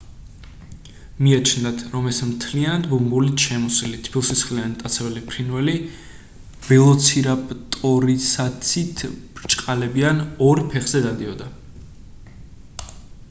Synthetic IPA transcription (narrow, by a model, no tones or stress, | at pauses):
miat͡ʃʰnd̪at̪ʰɾɔmɛsmt̪ʰlianat̪̚bumbulit̪ʃɛmɔsilit̪ʰpʰilˠsisχlianit̪ʼat̪sʰɛvɛlipʰɾinwɛli | b̥ɛlˠɔt̪sʰiɾapʼt̪ʼɔɾisat̪sʰit̪ʰbɾt͡ʃʼqʼalɛbianɔɾpʰɛχz̥ɛd̪ad̪iɔd̪a